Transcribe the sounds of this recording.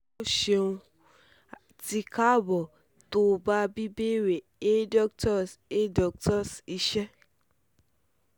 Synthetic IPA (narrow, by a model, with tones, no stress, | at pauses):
o˦ʃe˧ũ˧ | ti˧ka˦bɔ˨ | to˦ba˦bi˦be˦ɾe˨e˦dɔ˦ktɔ˦se˦dɔ˨k̚tɔ˦si˧ʃɛ˦